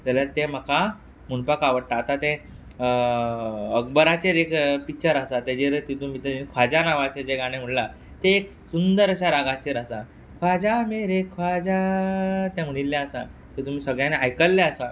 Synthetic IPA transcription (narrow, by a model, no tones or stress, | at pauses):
t̪ɛljaɾt̪em̤əkʰa | m̤uɳpakaʋəɽt̪aːt̪at̪ẽ | əɡbəɾat͡ɕeɾekpit͡ɕəɾasat̪ed͡ʑeɾt̪it̪umit̪eikʰʋad͡ʑanaʋat͡ɕed͡ʑeɡaɽ̃em̤əɽla | t̪eːk | sund̪əɾəɕaɾaɡat͡ɕeɾasa | kʰʋad͡ʑameɾekʰʋad͡ʑa | t̪jãm̤əɽ̃ilːaəsa̰ | t̪et̪umiːsəɡɭjãneajkəlːeasa